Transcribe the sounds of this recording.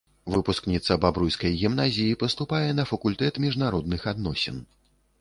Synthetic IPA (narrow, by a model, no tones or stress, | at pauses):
vɨpusknʲit̪sɐbabɾujskɐjɣʲimnazʲijipɐst̪upajɛnɐfɐkulʲt̪ɛt̪mʲiʐnaɾɔd̪̚nɨxad̪nɔsʲɛ̰n